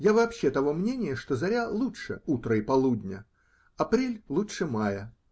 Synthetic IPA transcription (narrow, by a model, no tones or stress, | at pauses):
javɐːpɕːet̪ɐvo̞mnʲenʲɪjəʂt̪ozɐɾʲalˠutʂɨ̰ut̪ɾəipɐlˠud̪ʲnʲə | ɐpɾʲelʲlˠutʂɨmajə